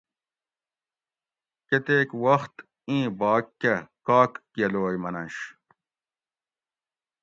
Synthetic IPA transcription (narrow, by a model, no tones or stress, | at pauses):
ket̪eːkwɐxt̪ | ĩːbaːkːɐkaːkːjɐloːjmɐnɐnɕ